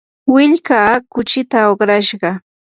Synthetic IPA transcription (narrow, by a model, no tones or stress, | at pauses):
wɪʎkaːkʊt͡ʃɪt̪aoχɾaʃɢɑ